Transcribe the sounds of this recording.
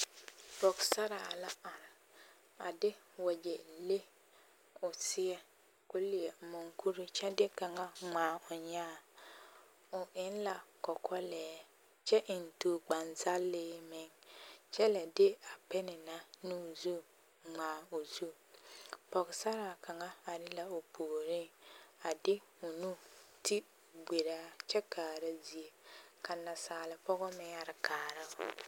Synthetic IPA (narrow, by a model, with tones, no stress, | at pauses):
pɔ˨ksa˦ɾa˨la˨a˨n˨ | a̰˨dɪ˦ | wa˨d͡ʒe˨le˦ | ʊ˨sɪ˦ɛ˦ | kʊ˦li˨ɛ˨mʊ˨ŋkʰu˦ɾi˦t͡ʃɛ˦dɪ˦ka˨ŋa˦ŋ͡maː˨˦ʊ˨ɲaː˦˨ | ʊ˨ʔɪ˦n˦la˨kɔ˨kʰɔ˦lɛː˨˦ | t͡ʃɛ˦ʔɪ˨n˨tu˨ɡ͡ba˨nza˦lːɪː˦mɪ˦ŋt͡ʃɛ˦la˨de˦a˨pɪ˦nɪ˨na˦nu˦zu˦ | ŋ͡maː˨o˨zu˦ | pɔ˨ɡsa˦ɾa˨kʰa˨ŋa˦a˨ɾɪ˦la˨ʊ˨pʰoː˨ɾɪ˦a˨dɪ˦ | ʊ˨nu˦ti˦ | ɡ͡be˨ɾaː˦t͡ʃɛ˦kaː˨ɾa˦zi˨e˦ka˨na˨saː˨lɪ˨pɔ˦ɣɔ˦mɪ˦ja˦ɾɪ˨kaː˨ɾa˦˨